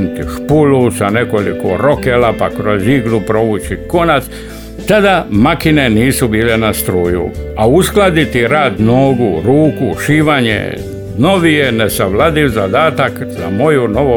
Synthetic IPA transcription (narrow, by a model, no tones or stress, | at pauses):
nit̪iʃpulusane̞ko̞likoɾo̞kelapakɾo̞ziɡlupɾo̞ʋut͡ʃiko̞nat̪s | t̪ad̪amakine̞niːsubiːlenast̪ɾuːjṵausklad̪it̪iɾaːd̪noːɡuɾuːkuʃiːʋaɲḛ | no̞ʋijenesaʋlad̪iʋzad̪aːt̪akza̰mo̞juno̞ʋo